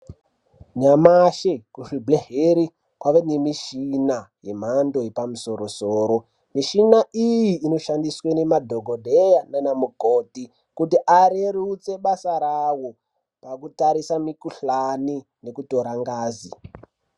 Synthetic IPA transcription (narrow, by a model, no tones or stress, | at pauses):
ɲamaʃekuʂibleɦeɾi | kwaʋenemiʃinaje̞m̤ando̞je̞pamuso̞ɾo̞soːɾo̞ | miʃinaʔijiːno̞ʃandiswene̞madʱoɡʱodʱejananamukoti | kutiʔaɾeɾut͡se̞ɓasaɾawo | pakutaɾisamikuɬani | ne̞kuto̞ɾaŋɡaːzi